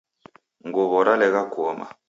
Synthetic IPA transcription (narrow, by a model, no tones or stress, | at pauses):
ŋɡɔβɔɾalɛɣakɔma̰